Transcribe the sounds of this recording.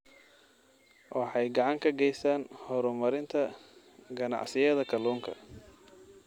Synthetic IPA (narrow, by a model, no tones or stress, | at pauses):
wʔɑħɑjɡɑʕɑŋkʰɐɡɛjsaːnhɔɾʊmɐɾɪnt̪ʰɐ | ɡɐnɑ̰ʕsɪjɐðɐkʰɐluːŋkʰɐ̰